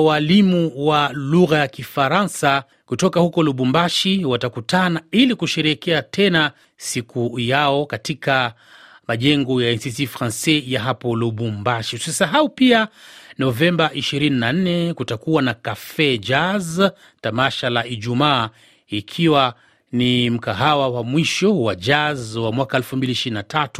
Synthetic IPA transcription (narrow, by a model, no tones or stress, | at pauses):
walimuwaluɣajakifaɾansa | kutɔkahukɔluɓumbaʃiwatakutanailikuʃɛɾɛkɛatɛna | sikʰujaɔkatika | maʄɛŋɡɔjaɛnsisifɾansɛjaɦapɔluɓumbaʃiu̥sisaɦaupianɔvɛmbaʔiʃiɾininan̩nɛkutakuwanakafɛd͡ʒaz | tamaʃalaʔiʄumaː | ikʰiwa | nim̩kaɦawawamwiʃɔwad͡ʒazwamwakaɛlfumbiliʃiɾinatʰatu̥